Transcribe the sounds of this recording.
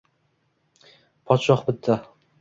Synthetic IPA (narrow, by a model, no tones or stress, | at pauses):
pʰɒt̪ʃɒχbɪt̪ʰːa